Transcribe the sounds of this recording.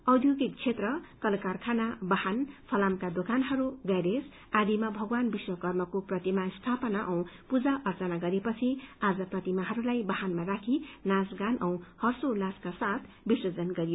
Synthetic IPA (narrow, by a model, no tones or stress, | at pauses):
ʌwd̪ʱjoɡik̚t͡sʰet̪rʌkʌlkarkʰanabʌhanpʰʌlamkad̪okanɦʌɾuɡʌjɾes | ad̪imabʱʌɡwanbiswʌkʌrmʌkoprʌt̪imast̪ʰapʌnaʔʌ̃w̃pud͡zaʔʌrt͡sʌnaɡʌɾepʌt͡sʰiad͡zʌprʌt̪imaɦʌɾulajbʌɦanmarakʰinasɡanʔʌ̃w̃hʌrsolaskasat̪ʰ | bisʌd͡zʌnɡʌɾijo